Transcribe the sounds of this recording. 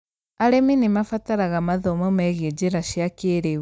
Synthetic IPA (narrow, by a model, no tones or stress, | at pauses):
aɾɛminimafataɾaɣamaðɔmɔmɛɣed͡ʑeɾaʃjakeɾe